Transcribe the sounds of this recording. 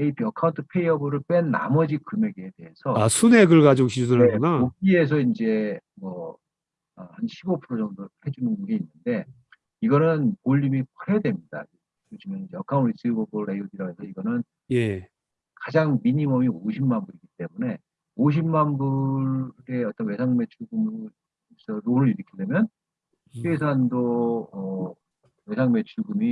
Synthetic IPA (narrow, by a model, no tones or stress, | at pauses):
eipʰiʌkʰauntʰɯ̥pʰe̞iʌbɯɾɯɭp͈wenːa̰mʌd͡ʑikɯme̞ɡeːde̞ɦesʰʌasʰuneɡɯɭɡad͡ʑoŋɕʰid͡ʑudɯɾenaoɡie̞s̬ʰʌind͡ʑe̞ | mʌ | ʌhanɕʰibopʰɯɾot͡ɕʌŋdohe̞d͡ʑunɯnɡeinːɯnde̞ | iɡʌnɯnkoʎːimikʰaɦedwe̞mɲida̰i | joɕʰimjʌnind͡ʑejʌkʰaunis͈ʰɯɡobɯɾɾejodiɾaesʰʌiɡʌnɯn | kad͡ʑaŋmiɲimʌmioɕʰimmanbuɾiɡit͈e̞mune̞ | oɕ̬ʰimːanbu | ɾe̞ʌt͈ʌnwe̞sʰaŋme̞t͡ɕʰuɡum | isʰʌɾonɯɾiɾɯkʰidwe̞mjʌn | ies̬ʰandoʌ | we̞sʰaŋme̞t͡ɕʰuɡɯmi